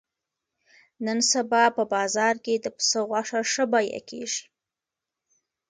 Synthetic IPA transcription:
nənsabɑpəbɑzɑɾked̪əpə̥səɣwaʂaʂəbɑjḛkḛʒi̥

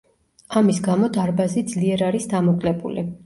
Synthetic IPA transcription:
amisɡamɔd̪aɾbazid̪zliɛɾaɾisd̪amɔkʼlɛbṵlḭ

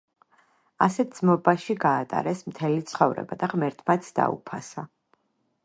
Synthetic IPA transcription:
asɛt̪̚d̪z̥mɔbaʃiɡaːt̪ʼa̰ɾɛsmt̪ʰɛlit̪sʰχɔvɾɛ̰bad̪aʁmɛɾt̪ʰmat̪sʰd̪a̰ṵpʰasa

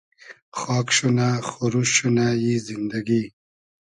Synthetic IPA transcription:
xɑːkʃunaxuɾuɕunajizind̪aɡi

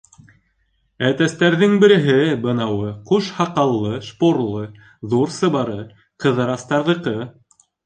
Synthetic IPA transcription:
æt̪æst̪æɾðɘŋbɘ̆ɾɘ̆ɦɘbɤ̆nɑwɤquʃhɑqɑlˠːɤʃpoɾlˠɤ | ðuɾsɤ̆βɑɾɤ | qɤ̆ðɤ̆ɾɑst̪ɑɾðɤ̆qɤ

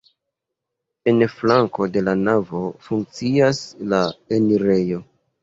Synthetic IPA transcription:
e̞nflaŋko̞de̞lanavo̞fuŋk̚t͡siaslaeniɾe̞jo̞

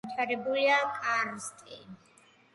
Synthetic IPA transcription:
t̪ʰaɾɛbuliakʼaɾst̪ʼi

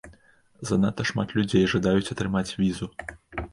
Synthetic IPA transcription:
zɐnat̪ɐʂma̰t̪lʲud͡zʲejʐad̪ajut͡sʲɐt̪ɾɨmat͡sʲvʲizu

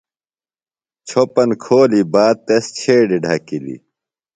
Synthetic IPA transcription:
t͡ɕʰopɐnkʰoːlibaːd̪̚t̪est͡ɕʰeːɖiɖʱɐkilḭ

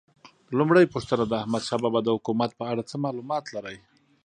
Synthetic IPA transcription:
lumɽajpuʂt̪ənad̪aːhmad̪ʃɑbabad̪əhʊkumat̪̚pəaɽat͡səmɑlumɑt̪laɾəj

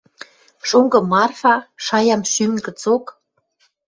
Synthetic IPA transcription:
ʃoŋɡɤ̆mɑrfɑʃɑjɑmʃymkə̆t͡sok

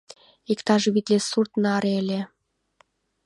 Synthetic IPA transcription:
ikt̪ɑʒeβit̪lesurt̪nɑɾelʲe

